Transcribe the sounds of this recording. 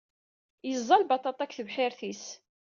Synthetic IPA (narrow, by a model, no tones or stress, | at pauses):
jəzˤːɑlbɑt̪ˤɑt̪ˤɑkːθəvħɪɾθis